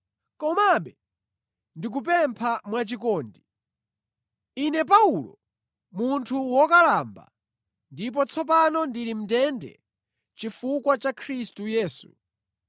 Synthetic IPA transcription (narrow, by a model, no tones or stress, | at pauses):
kɔmaɓɛ | ndik̬upɛmpʰamwat͡ʃikɔːndi | inɛp̬aulɔ | muntʰuwɔkalaːmba̰ | ndip̬ɔt͡sʰɔp̬anɔndiɾim̩tɛndɛ̰ | t͡ʃifukwat͡ʃakʰɾistujɛːsu̥̰